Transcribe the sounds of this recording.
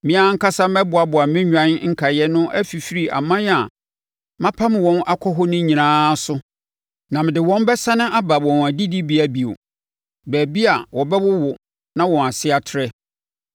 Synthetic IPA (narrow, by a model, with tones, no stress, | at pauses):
mĩ˦a˦ŋ̩˦kʰa˦sa˦mɛ˦bʊ˨a˨bʊ˨a˨mɪ̃˦ɲᶣã˦n˦ŋ̩˦kʰa˨jɛ˦nʊ̃˦ʔæ̰˦fi˨fi˦ɾi˨ʔa̰˨mã˦n˦a˨ | mã˦pʰã˦m˨wɔ̃˦na˦kʰɔ˦ɦɔ˦nʊ̃˦ɲĩ˨nãː˦sʊ˦ | nã˨mɪ̃˨dɪ˨wɔ̃˦m˦bɛ˦sa˦nɪ̃˦ʔa˦ba˨wɔ̃˨n˨æ˨di˦di˦bi˨˦æ˨bi˨o̰˨ | bæː˨bi˦a˨wɔ˨bɛ˦wʊ˦wʊ˨ | nã˦wɔ̃˨a˨sɪ˦a˨tʰɪ˦ɾɛ˦